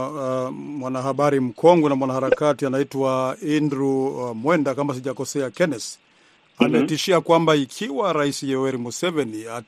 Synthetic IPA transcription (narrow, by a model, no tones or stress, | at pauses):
mwanahaɓaɾim̩kʰɔŋɡɛnamwanahaɾakatianaitwaindɾumwɛndakamas̬iʄakɔsɛakɛnɛs | anaɛtiʃiakwambaikʰiwaɾaisijɛɔwɛɾimusɛvɛnia